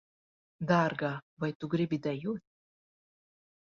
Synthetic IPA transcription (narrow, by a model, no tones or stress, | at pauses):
d̪arɡavajt̪uɡɾʲibʲid̪ajut̪̚ʲ